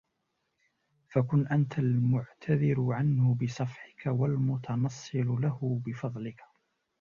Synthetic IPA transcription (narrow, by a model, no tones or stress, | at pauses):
fakʊnʔant̪almʊʕt̪ʰaðɪɾʊʕanhʊbɪsˤɑfħɪkawalmʊt̪ʰɑnɑsˤːɨllahʊbɪfɑðˤlɪkḁ